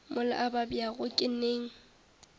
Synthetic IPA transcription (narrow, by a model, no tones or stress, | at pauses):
mʊlɪ̰ʔababiaɣʊkʼɪneːŋ̩